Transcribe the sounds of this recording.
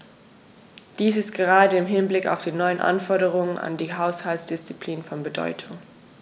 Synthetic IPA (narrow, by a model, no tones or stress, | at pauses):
d̥iːsɪst̚ɡ̥əʁaːdəɪmɦɪnblɪka̰ʊfd̥iːnɔʏənʔa̰nfɔɐɾəʁ̞ʊŋəna̰ndiːɦaʊshaltsd̥ɪst͡sipʰl̥iːnfɔnbədɔ̰ʏtʰʊŋ